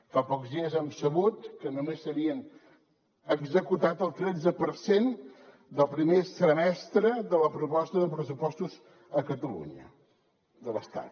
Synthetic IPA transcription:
fapɔkzðiəzɛmsəβut̪kənumesːəɾiən | əɡzəkut̪at̪əlˠt̪ɾɛd͡zəpəɾsen | d̪əlˠpɾimesəmɛst̪ɾəðələpɾupɔst̪əðəpɾəs̬upɔst̪uz | əkət̪əlṵɲə̰ | d̪ələst̪a̰t̪

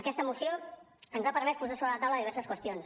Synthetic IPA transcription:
əkɛst̪əmusio | ənzapəɾmɛspuzasoβɾələt̪awləðiβɛɾrsəskwəst̪ions

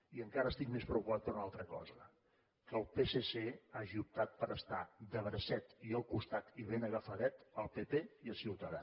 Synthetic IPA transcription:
iəŋkaɾəst̪ikmespɾəwkupat̪̚pəɾunalˠt̪ɾəkɔ̰zə | kəlˠpeseseaʒiup̚t̪at̪̚pəɾʔəst̪ad̪əβɾəsɛt̪iəlˠkust̪at̪iβenəɣəfəðɛt̪əlˠpepeiəlˠsiwt̪əða

